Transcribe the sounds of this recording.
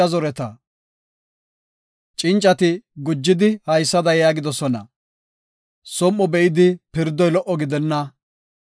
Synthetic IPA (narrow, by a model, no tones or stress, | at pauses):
ɐzɔɾɛt̪ɐ | t͡ʃʼɪnt͡ʃʼːɐt̪ɪɡʊd͡ʒːɪd̪ɪhɐjsːɐd̪ɐjaːɡɪd̪ɔsɔnɐ̰ | sɔmːɔbɛɪd̪ɪpɪɾd̪ːɔjlɔʔɔɡɪd̪ɛnːɐ